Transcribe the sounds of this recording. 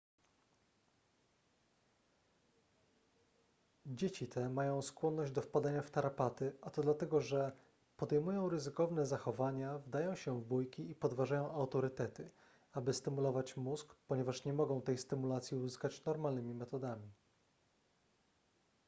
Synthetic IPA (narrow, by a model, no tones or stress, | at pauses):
d͡ʑet͡ɕit̪ʰɛmajɔ̃w̃skwɔnːɔʑd͡ʑd̪ɔfpad̪aɲaft̪aɾapat̪ɘʔat̪ɔd̪lat̪ɛɡɔʐɛ | pɔd̪ɛjmujɔ̃w̃ɾɘzɘkɔvnɛzaxɔvaɲavd̪ajɔ̃w̃ɕɛvbujkʲiipɔd̪vaʐajɔ̃w̃awt̪ɔɾɘt̪ɛt̪ɘ | abɘst̪ɘmulɔvat͡ɕmuskpɔɲɛvaʂɲɛmɔɡɔ̃w̃t̪ɛjst̪ɘmulat̪sʲjiuzɘskat͡ɕnɔɾmalnɘmʲimɛt̪ɔd̪amʲi